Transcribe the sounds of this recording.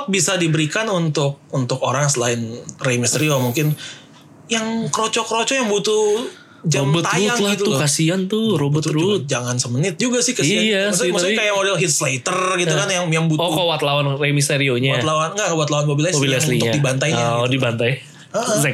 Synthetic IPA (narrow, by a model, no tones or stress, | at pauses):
ak̚bisadibəɾikanunt̪ʊk̚unt̪ʊkoɾaŋsəlaɪnrejmist̪eɾiomuŋkɪn | jaŋkəɾot͡ʃɔkəɾot͡ʃɔjaŋbut̪u | d͡ʒambt̪ajaŋɡit̪ukasiant̪ʊɾobʊt̪ɾut̪̚d͡ʒaŋansəmənɪt̪̚d͡ʒuɡasɪhkaiaaasmusʊkajamodalɦit̪̚slejt̪ərɡit̪ukanjaŋjaŋbutoukowat̪lawanremist̪eɾioɲawalawanŋɡaʔwat̪lawanbobilasbilsliadibant̪ajadibant̪aj | əʔə